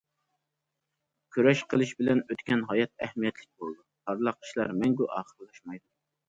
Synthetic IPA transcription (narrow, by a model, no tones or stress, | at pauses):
kʲʰøɾɛʃqʰəlˠɨʃbɪlɛnøt̪kʲɛnɦɑjɑt̪̚ɛhmijɛt̪ʰlɪk̚ʲbolˠd̪upʰɑɾlˠɑqi̥ʃlˠɑ̰ɾmɛŋɡʲuʔɑːχəɾɨlˠɑʃmɑjd̪u